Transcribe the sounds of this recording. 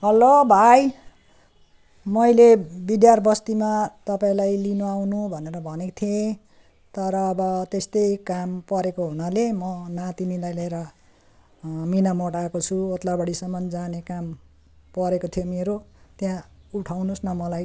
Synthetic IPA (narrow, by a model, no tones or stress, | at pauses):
ɦʌlobʱaj | mʌjlebid̪jarbʌst̪imat̪ʌpaĩlajlinuawnubʱʌneɾʌbʱʌnekt̪ʰjẽ | t̪ʌɾʌːbʌt̪est̪ʌjkampʌɾekoɦunalemʌnat̪inilajleɾʌ | minamoʈaekot͡sʰuot̪labʌɽisʌmʌnd͡zanekam | pʌɾekot̪ʰijomeɾot̪jãuʈʰawnusnʌmʌlaj